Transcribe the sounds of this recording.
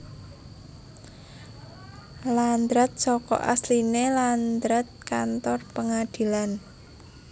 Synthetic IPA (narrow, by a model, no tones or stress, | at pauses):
land̪ɾat̪̚sɔkɔ̰ʔa̰slineland̪ɾat̪̚kant̪ɔrpəŋad̪̥i̤lan